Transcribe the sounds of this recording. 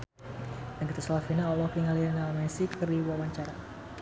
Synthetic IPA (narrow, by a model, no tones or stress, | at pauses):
naɡit̪asalafinaɔlɔkiŋalianamɛsikəriwawaɲt͡ʃaɾa